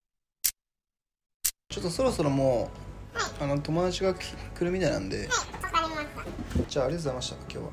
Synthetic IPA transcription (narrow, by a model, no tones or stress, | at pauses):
t͡ɕo̞t̪ːo̞so̞ɾo̞so̞ɾo̞moː | ano̞t̪o̞mo̞d̪at͡ɕiɡakɯ̟ɾɯ̟mʲit̪ainã̰nd̪e̞ | d͡ʑaːɾesɨzaimaɕit̪akḁkʲo̰ːβa̰